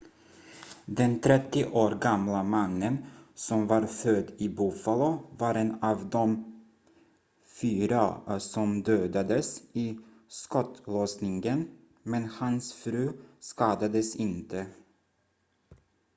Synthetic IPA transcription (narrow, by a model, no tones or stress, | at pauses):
d̪ɛnt̪ʰɾɛt̪ːɪʔoːɾɡamlamanːənsɔmvɑːɾfœd̪iːbuːfalovɑɾenɑːvd̪ɔm | fyːɾasɔmd̪øːd̪ad̪əsi | skɔt̪lɔsnɪŋɡən | mɛnhansfɾʉ̟ːskɑːd̪ad̪əsɪnt̪ʰə